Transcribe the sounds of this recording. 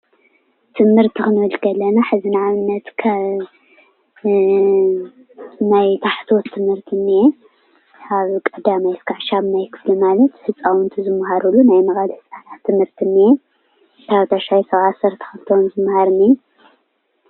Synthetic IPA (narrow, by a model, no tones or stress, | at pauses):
t̪ʰɨmhɨɾt̪ʰixɨnɨwɨlɡɐlɐnaħɨzinʕaβɨnːɐt̪kʰa | najt̪ʰaħt̪ʰo̞t̪ʰːɨmhɨɾt̪ʰinːije | aβkʼɐd̪amajskʰaʕʃaβnajkʰɨ̥flimalɐt̪hɨt͡sʼawunt̪ʰuzɨmːahaɾulːunajmɐɣʼalhɨsʼanat̪ʰːɨmhɨɾt̪ʰinːije | t̪ʰaβt̪ʰaʃajsɐβʕasɐɾt̪ʰɐ̥xɨlt̪ʰowonzɨmːhaɾni